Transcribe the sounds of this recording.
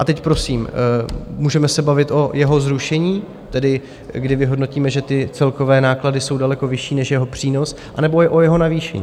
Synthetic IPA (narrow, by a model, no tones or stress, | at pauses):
ʔat̪ɛcpɾo̞siːm | muːʒɛmɛsɛbavɪt̪ʔo̞jɛɦo̞zɾuʃɛɲiː | t̪ɛdɪ | ɡdɪvɪɦo̞dno̞ciːmɛʒɛt̪ɪt͡sɛlko̞vɛːnaːkladɪso̞wdalɛko̞vɪʃiːnɛʃjɛɦo̞pr̥iːno̞s | ʔanɛbo̞jɛʔo̞jɛɦo̞naviːʃɛ̰ɲː